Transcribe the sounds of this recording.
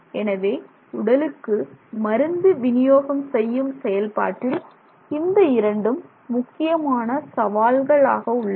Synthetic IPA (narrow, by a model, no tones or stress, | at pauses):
ɛnɐʋeː | ʊɽɐlɯkːɯmɐɾɯnd̪ɯʋɪnɪjoːɣɐmsɛjːɯmsɛjɐlpa̰ːʈːɪl | ɪnd̪ɐɪɾɐɳɖɯmː | ʊkːɪjɐmaːnɐsɐʋaːlɣɐɭaːɣɐʊɭːɐ